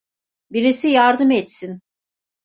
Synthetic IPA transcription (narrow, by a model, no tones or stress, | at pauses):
biɾisijaɾd̪ɯmɛt̪sin